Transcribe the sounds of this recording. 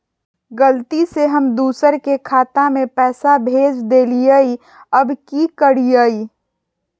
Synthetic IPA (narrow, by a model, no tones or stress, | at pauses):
ɡəlt̪iseɦəmd̪uːsəɾkekʰaːt̪amẽpɛːsabʱeːd͡ʒd̪eːlijəi | əbkikəɽijəi